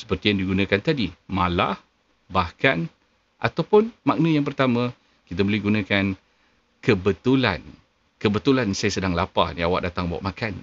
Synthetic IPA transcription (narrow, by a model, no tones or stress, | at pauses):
sə̥pərt̪ijaŋdiɡunãkant̪adimãla̰h | bahkan | ʔa̰t̪awpʊnmaʔ̚nãjaŋp̬ərt̪amã | kit̪̬abəlɛhɡunãkan | kəbət̪ula̰n | kəbət̪ulansajasədaŋlapa̰niawa̰ʔdat̪aŋbawa̰ʔmakan